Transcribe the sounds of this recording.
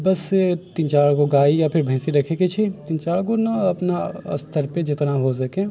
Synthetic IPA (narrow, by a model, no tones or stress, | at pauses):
bɐst̪ɪnt͡ʃaːɭkoɡaːijapʰɪɾbʱɐ̃ːsiɾɐkʰeket͡ʃʰit̪ɪ̃nt͡ʃaːɭkonɐɐpnaɐ̰st̪ʰəɾped͡ʒɪt̪naɦos̬ɐkẽ